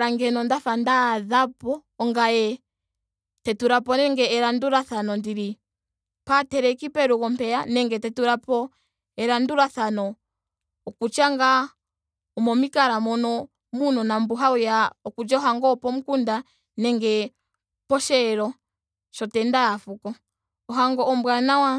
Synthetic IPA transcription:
ɾaŋɡɛnɔndafandaðapɔːŋɡajɛ | tɛtuɾapɔnɛŋɡɛːɾanduɾaθanɔndiɾi | patɛɾɛkipɛɾukɔmpɛanɛŋɡɛtɛtuɾapɔ | ɛɾanduɾaθanɔː | kut͡ʃaŋɡa | ɔmɔmikaɾamɔnɔ | munɔnambuɦaujaɔkud͡ʒaɔɦaŋɡɔpɔmukunda | nɛŋɡɛ | pɔʃɛɾɔ | ʃɔtɛndaafukɔ | ɔɦaŋɡɔɔmbwanawa

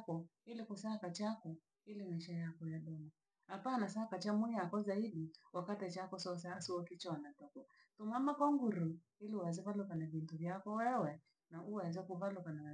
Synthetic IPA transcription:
kɔilikusakat͡ʃakɔ | ilimaʃajakɔjaɗɔma | hapanasakat͡ʃamuiakɔzaiɗiwakatɛt͡ʃakɔsɔsasiɔkit͡ʃɔwanatɔkɔa | tumamakɔŋɡuɾu | iliuazivalukanavintuvjakɔwɛwɛ | naʔuwaɛzakuvalukana

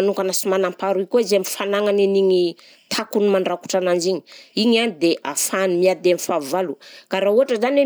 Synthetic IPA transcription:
anuŋkanasimanampaɾuikʲoizamifanaŋaneniɲi | t̪ʰakunimaɳɖ͡ʐaku̥ʈ͡ʂanand͡ʒiɲi̥iɲanid̪eʔa̰fanimiad̪amifavalukaɾaɦuɦaʈ͡ʂəzane

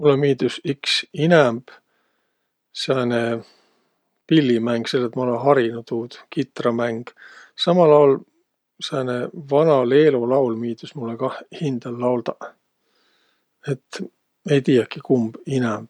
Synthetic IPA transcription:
mulːemiːd̪usiksinɛmb̥ | sɑne | pilːimæŋɡ̥se̞lːet̪mɑolenɦɑɾinut̪uːd̪̥kit̪rɑmæŋɡ̥ | sɑmɑlɑwl | sɑːnevɑnɑle̞ːlolɑwlmiːd̪̥usmulːekɑhind̪̥elːɑwld̪ɑ | e̞t̪ː | e̞jt̪iːjɑkikumb̥inɛmb̥

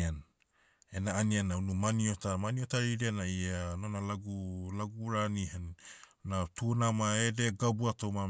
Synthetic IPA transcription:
an | enaːnianaunumaniotamaniotaɾidianaianonalaɡulaɡuɾanihannatunamaedeɡabuatoma

